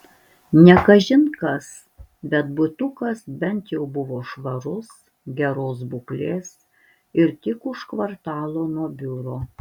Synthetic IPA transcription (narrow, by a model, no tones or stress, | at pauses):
nʲɛkɐʒʲɪnkɐs | bʲɛt̪bʊt̪ʊkɐsbʲɛnt̪jɛʊbʊʋoːʃʋɐɾʊs | ɡʲɛɾoːs̬bʊklʲeːs | ɪɾt̪ʲɪkʊʃkʋɐɾt̪ɑːlˠoːnuɔbʲʊɾoː